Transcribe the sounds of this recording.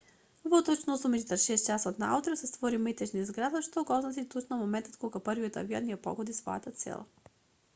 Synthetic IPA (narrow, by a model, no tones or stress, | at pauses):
vot̪ot͡ʃnozumiit̪əʃɛs̚t͡ʃasot̪naa̰ut̪ɾosɛst̪vɔɾiməjt̪ɛt͡ʃnizɡɾad̪əʃt̪oɡɔznɐt̪it̪ot͡ʃnomomɛnt̪ət̪kɔlɡapɤɾviət̪ɐ̰via̰nʲiɛpɔ̰ɡod̪isvɔ̰ja̰t̪at̪sɛ̰l̰ˠ